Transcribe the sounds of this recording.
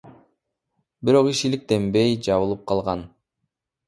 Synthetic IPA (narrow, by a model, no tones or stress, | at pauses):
biɾo̞qiʃilik̚t̪e̞mbe̞jd͡ʒɑβɯlˠɯp̚qʰɑlˠʁɑn